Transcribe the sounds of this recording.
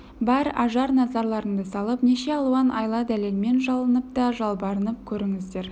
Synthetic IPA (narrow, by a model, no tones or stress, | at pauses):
bæɾɑʒɑɾnɑzɑɾlˠɑɾəɴd̪əsɑlˠəpne̞ʃe̞ɑlˠuɑnʔɑ̰jlˠɑd̪æle̞lme̞nʒɑlˠənəp̚t̪ɑʒɑlˠbɑɾənəp̚kʲʰɵɾɪŋɪzd̪e̞ɾ